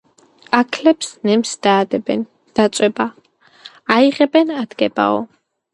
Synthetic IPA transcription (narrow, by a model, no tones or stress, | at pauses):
akʰlɛpsnɛmsd̪̥aːd̪ɛbɛn | d̪̥at̪sʼwɛba | aiʁɛbɛnad̪̥ɡɛba̰ɔ̰